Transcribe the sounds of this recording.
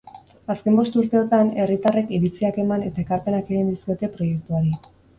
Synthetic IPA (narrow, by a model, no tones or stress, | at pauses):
aske̞mbo̞st̪uɾt̪e̞o̞t̪ane̞rit̪are̞kiβit͡siake̞mane̞t̪ae̞kaɾpe̞nake̞ɣ̞ind̪isio̞t̪e̞pɾo̞je̞k̚t̪uaɾi